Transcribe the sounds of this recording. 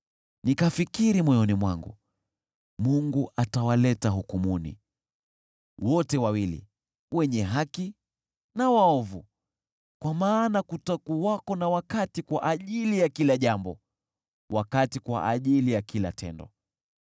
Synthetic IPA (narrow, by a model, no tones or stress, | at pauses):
nikafikiɾimɔjɔnimwaŋɡṵ | muŋɡuʔatawalɛtaɦukumunḭ | wɔtɛwawilḭ | wɛɲɛɦaki | nawaɔvu | kwamaːnakutakuwakɔnawakatikwaʔaʄilijakilaʄambɔ | wakatikwa̰ʔaʄilijakila̰tɛ̰ndɔ̰